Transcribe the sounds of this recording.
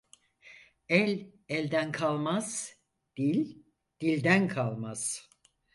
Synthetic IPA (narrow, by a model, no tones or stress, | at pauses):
ɛlʲɛlʲd̪ænkʰalˠmaz̥ | d̪̥ilʲ | d̪̥ilʲd̪ænkʰalˠmaz̥